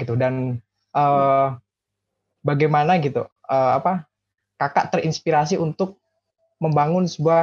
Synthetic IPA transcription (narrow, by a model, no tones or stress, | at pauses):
it̪udan | ʔəː | baɡajmanaɡit̪ṵ | əːapa | kaka̰ʔt̪əɾinspiɾas̬iʔunt̪ʊk̚ | məmbaŋʊnsəbua